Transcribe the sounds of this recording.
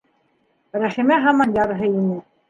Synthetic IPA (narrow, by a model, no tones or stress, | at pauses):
ɾæχimæɦɑmɑnjɑɾɤɦɤinɘ